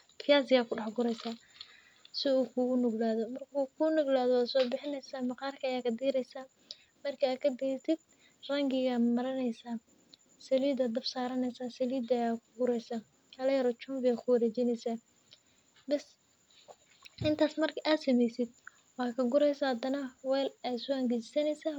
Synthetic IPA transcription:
kʰɪjaːsɪjaːkʰʊɖɑħɡʊɾɛjsaː | sɪuːkʰʊɣʊnʊɡlaːðɔmɐrkʰuːkʰʊnʊɡlaːðɔwaːsɔːbɪħɪnɛjsaːmɑqɑːrkʰɐɐjaːkʰɐd̪iːɾɛjsaː | mɐrkʰiaːkʰɐd̪ɪɛt̪ʰɪd̪̥̚ | rɐŋɡɪɣamɐɾɐnɛjsaː | sɐliːd̪ɐd̪ɐbsaːɾɐnɛjsaːsɐliːd̪ɐjaːkʰʊɡʊɾɛjsa | ɐlɐjɐɾɔt͡ʃʊmbɪɐkʰʊwɐɾɛːt͡ʃɪnɛjsɐ | bɛs | ɪnt̪ʰaːsmɐrkʰʔaːd̪sɐmɛjsɪd̪̚ | wɑkʰɐɡʊɾɛjsɐhɐd̪ɐnɐwɛːlaːsɔɐŋɡɪt͡ʃɪsɐnɛjsɐ

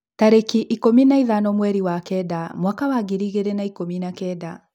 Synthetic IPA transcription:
taɾekiʔikominaiðanɔmwɛɾiwakɛdamwakawaɡiɾiɣeɾenaikominakɛda

